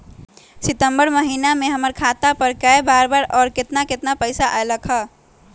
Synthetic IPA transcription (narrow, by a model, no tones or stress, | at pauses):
sit̪əmbəɾməɦinameɦəməɾkʰat̪apəɾkaebaɾbaɾɔːɾket̪naket̪napəɪsaʔajləkʰə